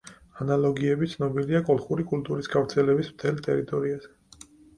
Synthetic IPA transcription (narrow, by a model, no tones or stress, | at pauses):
analˠɔɡiɛbit̪sʰnɔbiliakʼɔlˠχuɾikʼult̪ʼuɾisɡavɾt̪sʰɛlɛbismt̪ʰɛlt̪ʼɛ̰ɾit̪ʼɔɾiaz̥ɛ